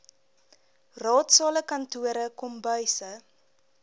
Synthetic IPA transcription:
rɑːtsɑːləkɐntuəɾəkɔmbœjsə

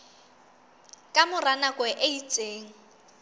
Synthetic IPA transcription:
kʼamʊranakwɛʔeit͡sʼeːŋ̩

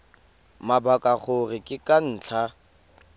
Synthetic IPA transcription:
mabakʼaχʊrɪkʼɪkʼan̩ːt͡sʰa

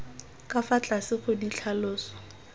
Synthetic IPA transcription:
kʼafat͡ɬʼasɪχʊdit͡ɬʰalʊːsɔ̥

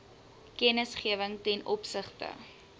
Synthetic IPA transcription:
kɛnəsχiəvəŋtɛnɔpsəχtə̰

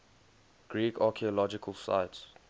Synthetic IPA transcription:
ɡ̥ɹiːkʰakʰiɔlɔd͡ʒɪkʰəlsa̰ɪts

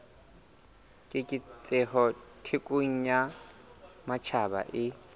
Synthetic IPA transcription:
kʼɪkʼɪt͡sʼɪhɔtʰɪkʼuŋ̩ɲa | mat͡ʃʰaba̰ʔɪ

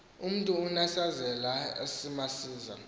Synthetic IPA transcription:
um̩tʼuːnasazɛlasimasiːza̰

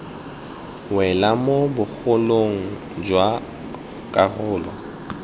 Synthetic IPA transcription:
wɛlamobʊk͡xʰʊloŋ̩ | d͡ʒwa | kʼaɣʊːlwa

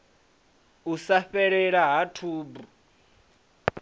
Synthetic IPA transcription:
usaɸɛɺɛɺaɦatʰuːbu

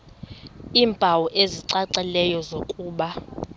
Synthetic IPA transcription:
iːmpʼawɔʔeziǀaǀɛlɛjɔzokʼuːɓa

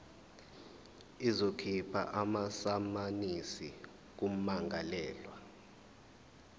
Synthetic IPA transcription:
izokʰipʰa̰ʔamasamanisi | k̬um̩maŋɡʱalɛːlwa

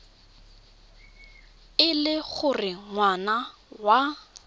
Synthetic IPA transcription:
ɪlɪɣʊrɪŋwana | wa

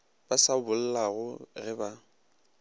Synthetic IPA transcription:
b̥asabʊl̩laɣʊɣɪba

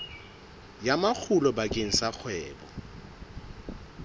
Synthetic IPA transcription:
jamak͡xʰʊlɔbakʼeŋ̩sak͡xʰwɛːbɔ

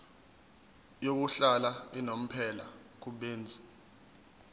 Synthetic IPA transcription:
jok̬uɬalainom̩pʰɛla̰k̬uɓeːnd͡zʱi

